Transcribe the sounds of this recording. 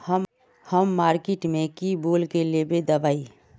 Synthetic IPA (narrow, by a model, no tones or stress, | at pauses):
həm | həmːaːɾkeʈmẽkiboːlkelebed̪əbaːi